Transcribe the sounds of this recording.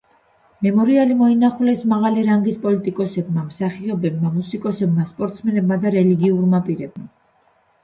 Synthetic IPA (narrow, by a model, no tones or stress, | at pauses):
mɛmɔɾialimɔinaχulɛsmaʁaliɾaŋɡispʼɔlit̪ʼikʼɔsɛbmamsaχiɔbɛb̚mamusikʼɔsɛbmaspʼɔɾt̪smɛnɛbmad̪aɾɛliɡiuɾmapʼiɾɛbma